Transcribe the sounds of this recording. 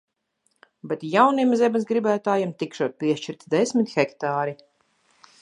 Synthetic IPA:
bɛt̪jawnimzʲɛbɨsɡɾibæːt̪aːjamt̪ikʃuɔt̪̚piɛʃt͡ʃiɾt̪d̪ɛsʲmit̪xɛkt̪aːɾi

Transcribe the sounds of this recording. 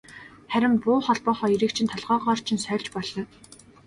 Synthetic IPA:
χæɾʲɪ̆mpʊːχɔɮpɔːχɔːiɾiːkt͡ɕʰĭnt̪ʰɔɮʁɔːʁɔːr̥t͡ɕʰĭnsœːɮt͡ɕpɔɮɞ̆n

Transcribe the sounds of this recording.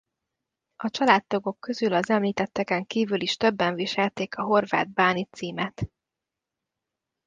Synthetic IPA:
ɒt͡ʃɒlaːt̪ːoɡo̞kːø̞zylɒzɛmliːt̪ɛt̪ːɛkɛŋkiːvyliʃt̪ø̞bːɛɱviʃɛlt̪eːkɒɦo̞rva̰ːd̪̚baːnit̪siːmɛt̪

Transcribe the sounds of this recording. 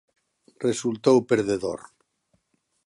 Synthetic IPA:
result̪owpeɾðeðo̰ɾ

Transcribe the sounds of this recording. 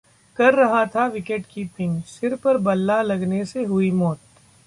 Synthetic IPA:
kɐɾːɐɦat̪ʰaʋɪkeʈkipʰɪ̃ŋʃɪɾpɐɾbɐlːalɐɡneseɦʊimɔːt̪̚

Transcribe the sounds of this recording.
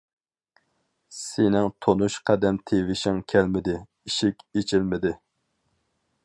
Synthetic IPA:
senɪŋt̪ʰonuʃqʰɛd̪ɛmt̪ʰevɪʃɪŋkʲʰælmɪd̪ɪ | iʃɪkʲet͡ʃʰɪlmɪd̪ɪ

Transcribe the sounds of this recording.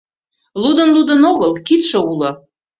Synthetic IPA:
lud̪ə̆nlud̪ənoɣəlkit̪ʃɤ̆ulɤ̆

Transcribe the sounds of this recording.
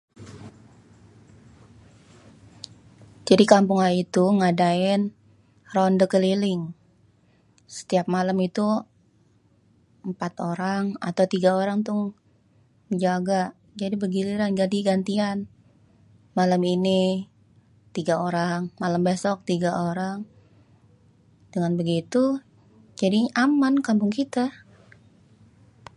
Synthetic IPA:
d͡ʒadikampuŋanit̪uŋadaɪn | rɔndəkəlilɪŋ | sə̥t̪iap̚maləmit̪u | əmpat̪oɾaŋa̰t̪awt̪iɡaoɾaŋt̪ʊŋ | d͡ʒaɡaʔ | d͡ʒadibəɡiliɾanɡadiɡant̪ian | malamini | t̪iɡaoɾaŋmalambesɔk̚t̪iɡaʔoɾaŋ | dəŋanbəɡit̪u | d͡ʒadiʔamankampʊŋkit̪a

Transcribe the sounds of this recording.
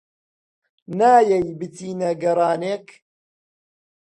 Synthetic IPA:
naːjɐjbɨt̪iːnɐɡɐɾˤaːneːk

